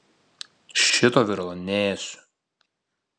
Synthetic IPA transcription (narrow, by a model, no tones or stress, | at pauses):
ʃʲɪt̪oːʋʲɪɾlˠonʲɛːsʲʊ̥